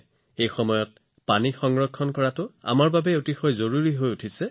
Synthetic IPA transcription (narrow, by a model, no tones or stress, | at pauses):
ejxɔmɔjɔt̚ | panixɔŋɹɔkʰːɔnkɔɹatʊa̰maɹbabɛotixɔjzoɹuɹiɦojutʰisɛ